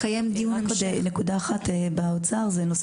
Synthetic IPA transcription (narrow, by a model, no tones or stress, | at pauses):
kajamd̪ijukodnekud̪aːχat̪ebaot͡saʁzenos